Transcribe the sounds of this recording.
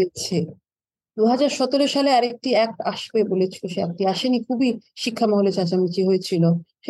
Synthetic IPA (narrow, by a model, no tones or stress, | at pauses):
et͡ɕʰe | d̪uɦad͡ʑaɾʃɔt̪oɾoʃaleaɾek̚ʈiɛk̚aʃbebolet͡ɕʰi̥loʃeɛ̰k̚ʈiaʃenikʰubiʃikʰːamɔɦolet͡ɕat͡ɕamit͡ɕiɦojet͡ɕʰiloʃe